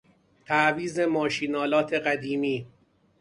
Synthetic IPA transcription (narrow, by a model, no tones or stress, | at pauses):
t̪ʰæʔviːzemɒːʃiːnɒːlɒːt̪ʰe̞ɢæd̪iːmiː